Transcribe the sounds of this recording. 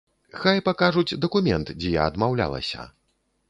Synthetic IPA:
xajpakaʐud͡zʲd̪ɐkumʲɛnt̪d͡zʲɛja̰ɐd̪mawlʲa̰lˠɐ̰sʲɐ̰

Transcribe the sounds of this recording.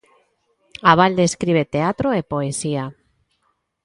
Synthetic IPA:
aβald̪eeskɾiβ̞et̪eat̪ɾoepoesia

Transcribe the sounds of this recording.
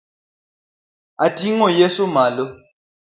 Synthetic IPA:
atiŋɔjesomalo

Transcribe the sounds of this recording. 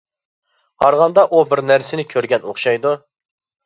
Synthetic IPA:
hɑɾʁɑnd̪ɑʔubɪɾnæɾsɪnɪkʲʰøɾɡʲɛnoχʃɑjd̪u

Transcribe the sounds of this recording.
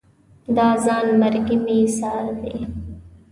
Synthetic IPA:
d̪aːzaːnmɐɾɡimiːsaːɾd̪iː

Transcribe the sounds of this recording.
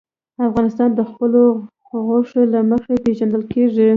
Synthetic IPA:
afɣɑnɪst̪ɑnd̪əxpəlo | ɣoʂolaməxepeʒand̪əlkeʐi

